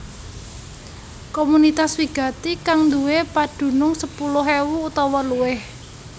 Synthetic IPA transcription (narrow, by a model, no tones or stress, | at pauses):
komunit̪aswiɡ̥ä̤t̪ikaŋnd̪uwepaɖ̥ṳnʊŋsəpulʊɦewuːt̪ɔwɔluwɪh